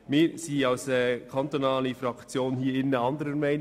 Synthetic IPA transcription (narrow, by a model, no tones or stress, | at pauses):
mɪːsiːaʊsɛkʰant̪onaːlifɾɑkt͡sjoːnhiːɪnːəɑndəɾənmɛɪn